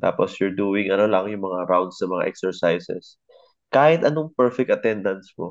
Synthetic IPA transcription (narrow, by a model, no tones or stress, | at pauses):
t̪a̰ːposjʊɹd̪uːwɪŋɐnolɐŋjʊŋmɐŋaɾawnd̪sɐmɐŋa̰ʔɛ̰ksɛɹsajsɛ̰s | kaːhɪt̪ɐnoŋpɛɹfɛk̚t̪ɐt̪ɛnd̪ɐnspo